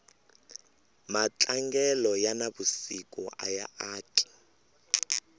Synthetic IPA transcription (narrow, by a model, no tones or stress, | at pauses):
mat͡ɬʼaŋɡɛlɔjanabusikʼɔʔa̰jaaːtʼi̥